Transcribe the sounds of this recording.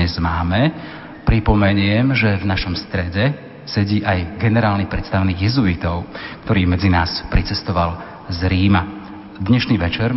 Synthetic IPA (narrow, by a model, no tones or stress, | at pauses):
ɛzmaːmɛ | pɾipɔmɛɲɪɛmʒɛvnaʃɔmst̪ɾɛɟɛ | sɛɟiːʔajɡɛnɛɾaːlnipɾɛt̪st̪aʋɛniːɣjɛzuit̪ɔʊkt̪ɔɾiːmɛd͡zinaːspɾit͡sɛst̪ɔʋal | zɾiːma | d̪ɲɛʃniːʋɛt͡ʃɛɾ